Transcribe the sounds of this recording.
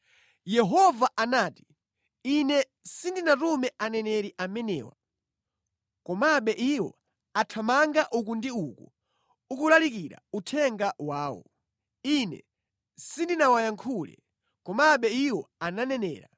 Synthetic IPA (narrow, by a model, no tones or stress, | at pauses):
jɛɦɔvaʔanaːti̥ | inɛ | sindinatumɛanɛnɛɾiʔamɛnɛ̰ːwa̰ | kɔmaɓɛʔiwɔ̰ | atʰamaŋɡaʔuk̬undiuku | ukulalikiɾa̰utʰɛŋɡawaːwɔ̰ | inɛ̰ | sindinawajaŋkʰulɛ̰ | kɔmaɓɛiwɔananɛnɛ̰ːɾa